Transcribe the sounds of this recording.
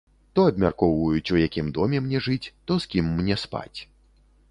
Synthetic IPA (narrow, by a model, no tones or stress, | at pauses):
t̪ɔɐbmʲa̰rkɔwvɐjut͡sʲujakʲimd̪ɔmʲɛmnʲɛʐɨt͡sʲt̪ɔskʲimːnʲɛspa̰t͡sʲ